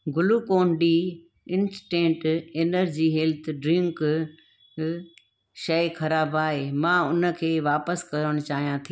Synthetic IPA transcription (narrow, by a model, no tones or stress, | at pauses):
ɡʊlukoːnɖi | ɪ̃nsʈẽːʈeːnəɾd͡ʑiːɦɛːlt̪ʰɖɾɪ̃ŋk | ʃɐɪkʰɐɾaːbaːɦeːmãːʊnə̆kʰeːʋaːpəskɐɾəɽ̃ʊt͡ɕaːɦijãt̪ʰi